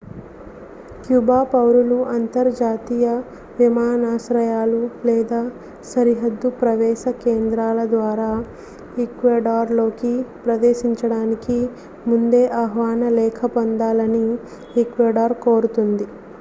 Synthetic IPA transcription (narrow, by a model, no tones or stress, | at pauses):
kjubaːpɐwɾuluʔɐnt̪ɐɾd͡ʒaːt̪ijɐ | ʋimaːnaːʃɾɐjaːlulɛːd̪aː | sɐɾiɦɐd̪ːupɾɐʋɛːʃɐkeːnd̪ɾaːlɐd̪ʋaːɾaː | ikʋeːɖaːɾlo̞ːkipɾɐd̪eːʃiɲt͡ʃɐɽaːniki | mund̪e̞ːʔɐɦʋaːnɐlɛːkʰɐpond̪aːlɐni | ikʋeːɖaːɾkoːɾut̪und̪i